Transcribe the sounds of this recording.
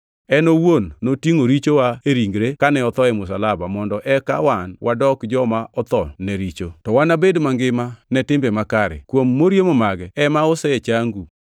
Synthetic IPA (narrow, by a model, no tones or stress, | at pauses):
ɛnowonːotiŋoɾit͡ʃowaeɾiŋɡɾekanɛɔt̪ɔɛmʊs̬alabamɔndɔʔɛka̰wanwʔadɔkd͡ʒɔmaʔɔt̪ɔnɛɾit͡ʃotɔwanabedmaŋɡɪmanɛtɪmbemakaɾɛ̰kwomːoɾjemomaɡɛɛmaɔsɛet͡ʃaŋɡu